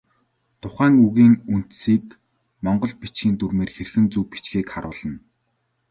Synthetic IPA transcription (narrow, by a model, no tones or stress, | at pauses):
t̪ʰʊχæːŋuɣiːŋun̥t̪siːk | mɔɴɢɞ̆ɮpit͡ɕɡiːnt̪urmeːrxerxɘ̆nt͡suːpi̥t͡ɕɡiːkχaɾʊːɮə̆n